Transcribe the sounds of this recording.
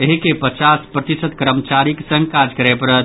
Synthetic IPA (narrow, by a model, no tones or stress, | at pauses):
eɦikepət͡ʃaspɾət̪isət̪kəɾəmt͡ʃaɾiksə̃ŋɡkad͡ʒkəɾepəɾə